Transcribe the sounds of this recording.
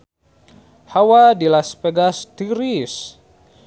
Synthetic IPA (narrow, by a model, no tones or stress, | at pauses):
hawadilaspɛɡast̪iɾis